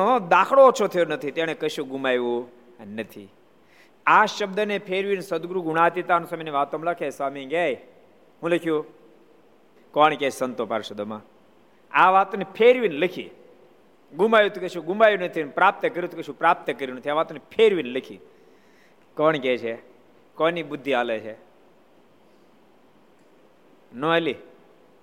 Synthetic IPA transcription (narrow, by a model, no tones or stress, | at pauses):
od̪aːkʰɭot͡ʃʰot̪ʰəjonət̪ʰit̪jaɽ̃ekəʃũɡumaːjʋũ | nət̪ʰḭ | aʃəbd̪ənepʰeɾʋinsəd̪ɡɾuɡuɽaːt̪it̪anũsamineʋaːt̪omləkʰesamĩɡaj | ɦũləkʰjũ | kɔːɳket͡ʃʰsənt̪opa̰ɾʃəd̪əma | aːʋaːt̪onepʰeːɾʋinləkʰḭː | ɡumaːjut̪ukət͡ʃũɡumaːjunət̪ʰinpɾaːp̚t̪əkəɾit̪ʰukeʃʰũpɾaːp̚t̪əkəɾjunət̪ʰiaːʋaːt̪onepʰeːɾʋinləkʰḭː | kɔːɳ̃ikeːt͡ʃʰe | koːnibʊd̪ʱːiaːlet͡ʃʰe | noeli